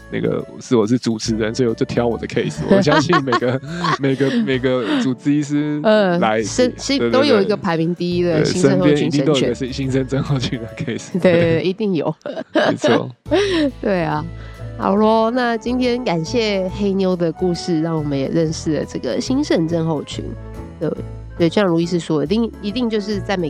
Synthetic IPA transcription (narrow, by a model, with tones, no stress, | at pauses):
na̰˥˩ɡə̰˩˨ʂɻ̩˥˩wɔ˨˩ʂ̬ɻ̩˥˩ʈ͡ʂu˨˩t͡sʰɻ̩˧˦ɻə˧˦nsɔ˧˥i˥˩wɔ˨˩jo˥˩ʊt̪ʰjɑ˧˥ʊwɔ˨˩d̪ə˦kʰe˥ɪs̩˨wɔ˦ɕjɑ˦˥ŋɕi˥˩nme˨˩ɪɡə˦me˨˩ɪɡə˧˦me˨˩ɪɡə˦ʈ͡ʂu˨˩t͡s̩˥i˥ʂ̬̩˥˩ə˥˨˩la˧˦ɪʂə˥nʂi˥˩˧t̪o˥ʊjo˨˩ʊi˧˦ɡə˧pʰa˧˥ɪmi˧˥ŋt̪i˥d̪ə̰˨˥˩ɕi˥ə˦ə˥xo˥pjɛ̃˦i˥ŋi˥˩t̪ə˨˩ʂ̩˥˧ɕi˥ŋʂə˥˦nʈ͡ʂə˥nxo˥˧ʊt͡ɕʰy˥˩d̪ə˩kʰe˥˩ɪst̪we˥˧e˥˩i˧˥t̪i˥˩ŋjo˨˩˦ʊe˦t͡sʰt̪we˥˩ɪa˩a̰˨˩lɔ˥na˥˩t͡ɕi˥nt̪ʰjɛ˥nka˨˩nɕjɛ˥˩xe˥ɪnjo˥ʊd̪ə˨ku˥˧ʂɻ̩˥˧ɻɑ˥˩ŋwɔ˨˩mə̃˦njɛ̰˨˩ɻə˥˧nʂɻ̩˥˩lə̰˨˩ʈ͡ʂɤ˥˩ɡə̰˩ɕi˥nʂə˥˧nʈ͡ʂə˥˧nxo˥˩ʊt͡ɕʰy̰˧˥n | t̪we˥˩ | swt͡ɕo˥˩jɑ˥˩ɻu˧˦i˧ʂ̬ɻ̩˥˩ʂɔ˥˨˧t̪i˥˩ŋi˧˥t̪i˥˧ŋt͡ɕjo˥˧ʊʂ̬ɻ̩˥˧t͡sa˥˩ɪme˨˩